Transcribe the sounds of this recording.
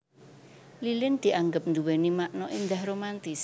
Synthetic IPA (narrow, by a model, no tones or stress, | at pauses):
lilɪnd̪̥i̤ʔaŋɡəp̚nd̪uwenimaʔnɔʔind̪ahɾomant̪ɪs